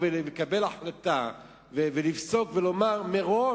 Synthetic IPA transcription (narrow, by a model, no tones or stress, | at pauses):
velekabe̞laħlat̪a | vevelivso̞kvelo̞maʁmeʁo